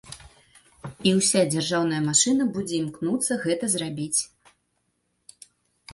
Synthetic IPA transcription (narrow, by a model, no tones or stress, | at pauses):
iwsʲad͡zʲarʐawn̪ɐjɐmaʂɨnɐbud͡zʲɛimknut̪sːɐɣɛt̪ɐzrabʲit͡sʲ